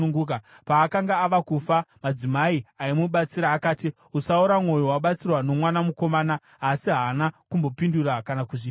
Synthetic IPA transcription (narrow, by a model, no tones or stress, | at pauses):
uŋɡuːka | paːkaŋɡaːʋakufamad͡zimaiaimuɓat͡siɾaːkaːti | usauɾamŋo̞jowaɓat͡sirwano̞mwanamuko̞maːna | ɦːsiɦanakumbo̞pindurakanakuʐi